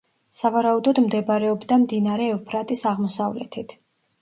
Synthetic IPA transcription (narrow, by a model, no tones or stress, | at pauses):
savaɾaud̪ɔd̪md̪ɛbaɾɛɔbd̪amd̪inaɾɛːvpʰɾat̪ʼisaʁmɔsavlɛ̰t̪ʰit̪ʰ